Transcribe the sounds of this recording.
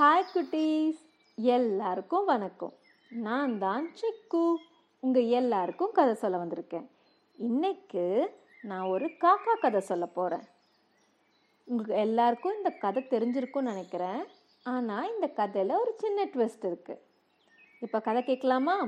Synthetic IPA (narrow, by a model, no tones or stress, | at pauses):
haːjkːʊʈːis | ɛlːaːɾɯkːʊ̃ʋɐnɐkːʊ̰̃ | nãːnd̪ãːnt͡ʃɛkːɯ | ʊŋɡɐɛlːaːɾɯkːɯ̃kɐðɐsɔlːɐʋɐnd̪ɪɾɯkːẽː | ɪnːɛkːɯ | nãːɔɾɯkaːkaːkɐðɐsɔlːɐpoːɾḛ̃ː | ʊŋɡɐɛlːaːɾɯkːʊ̃ɪnd̪ɐkɐðɐt̪ɛɾɪɲd͡ʒɪɾɯkːʊ̃nɪnɛkːɪɾẽː | aːnaːɪnd̪ɐkɐðɛlɐɔɾɯt͡ʃɪnːɐʈʋɛsʈɪɾɯkːɯ | ɪpːoːkɐðɛkeːkːɐɭaːmaː